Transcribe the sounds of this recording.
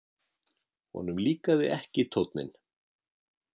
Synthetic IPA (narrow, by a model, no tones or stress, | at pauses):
hɔ̰nʏmliːkaðɪ̰ʔɛhcɪt̪ʰowt̪nɪ̰n